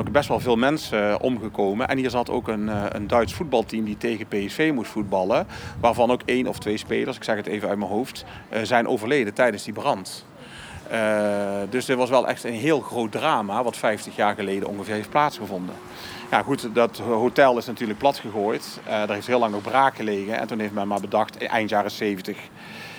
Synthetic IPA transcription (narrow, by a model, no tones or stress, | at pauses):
nokbɛstʋɑlˠvɪːlˠmɛnsəʔɔ̰mɣəkowmənʔɛ̰nɦiːɹzɑto̰wkənə̰ndœɥtsfud̚bɑlˠtimditejɣəpejɛsfejmustfud̚bɑlˠəʋaːɹvɑnowkejnɔftʋejspejləɹsɪ̥ksɛxətejvəœɥt̚mənɦowft | zɛjnʔo̰wvəɹlejdətɛjdənzdibərɑnt | dɵsdɪtʋɑsʋɛlˠʔɛ̰xtənɦɪːlˠxrowt̚draːmaʋɑtfɛjftəxjaːɹɣəlejdəʔɔ̰ŋɣəvɪːɹɦeft̚plaːtsχəvɔndə̰ | ja̰χutɑtɦotɛlˠɪsnatyːɹlək̚plɑtxəɣoːjt | dəɹɦeftɦɪːlɑŋnɔɣbraːkxəlejɣənɛ̰ntunɦejftmɛnmaːɹbədɑxtʔɛ̰jntjaːrəsejvəntəx